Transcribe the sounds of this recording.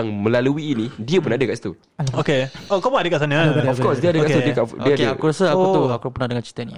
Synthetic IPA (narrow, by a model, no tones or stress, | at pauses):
aŋmə̃laluiːnĩdiəpunadəkaʔsi̥t̪ṵ | okeokamuŋadəkaʔsanə̃ɔfkɔsdiəadəkaudiəkaʔdiəadəakuɾasəak̪uakupunadəŋãnt͡ʃi̥t̪ɛni